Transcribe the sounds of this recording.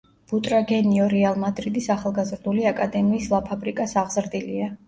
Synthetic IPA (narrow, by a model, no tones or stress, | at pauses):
b̥ut̪ʼɾaɡɛniɔɾɛalˠmad̪ɾid̪isaχalˠɡazɾd̪uliakʼad̪ɛmiːslˠapʰabɾikʼasaʁzɾd̪ilia